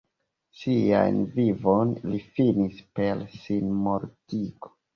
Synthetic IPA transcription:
sia̰jnvivo̞nlifinispe̞ɾsinmoɾtiɡo̥

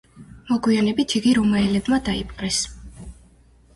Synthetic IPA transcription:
mɔɡwianɛbit̪ʰiɡiɾumaɛlɛbmad̪aipʼqʼɾɛs

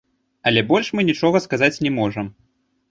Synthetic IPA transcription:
ɐlʲɛbɔlʲʂmɨnʲit͡ʂɔɣɐskazat͡sʲnʲɛmɔʐɐm

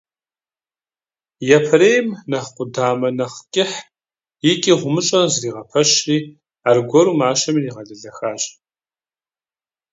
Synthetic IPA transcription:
jɛpʰɐɾeːjmnɐχqʷʊdaːmɐnɐχkʲʼɪħ | jɪkʲʼiːʁʷʊmɨt͡ʃʼɐnzriːʁɐpʰɐʃriː | aːrɡʷɔɾuːmaːʃɐmiːniːʁɐɮɐɮɐxaːɕʼ

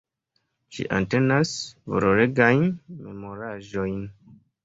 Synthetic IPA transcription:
ʃḭʔa̰nte̞nasvo̰ɾoɾeɡajnme̞mo̞ɾaʒo̞jn

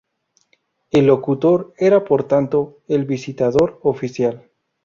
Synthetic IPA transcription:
elːo̞kut̪o̞ɾe̞ɾapo̞ɾt̪ant̪o̞elβisit̪aðo̞ɾofisjal

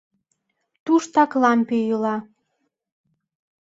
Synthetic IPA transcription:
t̪uʃt̪ɑklɑmpejəlɑ

